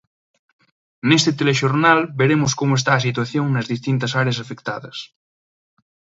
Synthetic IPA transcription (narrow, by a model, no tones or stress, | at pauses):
nest̪et̪eleʃoɾnalbeɾemoskomoest̪aːs̬it̪waθjoŋnɐzðist̪int̪ɐsaɾeɐs̬afekt̪a̰ðɐs